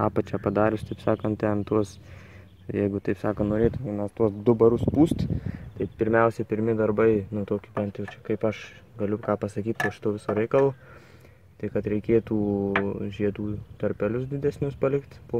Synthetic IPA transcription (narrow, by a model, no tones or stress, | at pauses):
ɑːpɐt͡ʃʲɛpɐd̪ɑːɾʲʊst̪ɐɪpsɑːkɐnt̪̚t̪ʲɛɐnt̪uɔs | jɛɪɡʊt̪ɐɪpsɑːkɐnoːɾʲeːt̪ʊmʲɛɪnɐt̪uɔsd̪ʊbɐɾʊspuːst̪t̪ɐɪpʲɪɾʲmʲɛʊsʲɛpʲɪɾʲmʲɪd̪ɐrbɐɪnʊt̪oːkʲɪbʲɛnt̪jɛʊt͡ʃʲɛkɐɪpɐʃ | ɡɐlʲʊkɑːpɐsɐkʲiːt̪toːʃʲɪ̥t̪oːʋʲɪsoːɾʲɛɪkɐlˠoː | t̪ɐɪkɐt̪ɾʲɛɪkʲeːt̪uːʒʲiɛd̪uːt̪ɐɾʲpʲɛlʲʊsd̪ʲɪd̪ʲɛsʲnʲʊspɐlʲɪkt̪poː